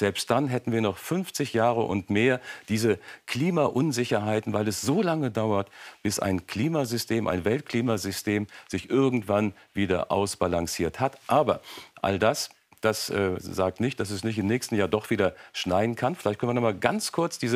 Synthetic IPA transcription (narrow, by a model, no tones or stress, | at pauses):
z̥ɛlpst̚d̥anɦɛtn̩viːɐnɔχfʏnft͡sɪçjaːʁəʔʊ̰ntmeːɐd̥iːzəkʰl̥iːmaʔʊnzɪçɐɦaɪtn̩vaɪlɛsz̥oːlaŋədaʊɐtb̥ɪsa̰ɪnkʰl̥iːmazʏstʰeːmʔa̰ɪnvɛlt̚kʰl̥iːmazʏstʰeːmz̥ɪçʔɪɐɡŋ̩tv̥an | viːdɐ̰ʔa̰ʊsb̥alaŋsiːɐthatʔaːbɐʔa̰ldas | d̥asʔɛːzaːk̚tnɪçt̚d̥as̬ɛsnɪçtɪmnɛːçstn̩jaːɐdɔχv̥iːdɐʃnaɪdn̩kʰanfɪlaɪçt̚kʰœnvɐnɔmaːlɡant͡skʰʊɐt͡sd̥iːzə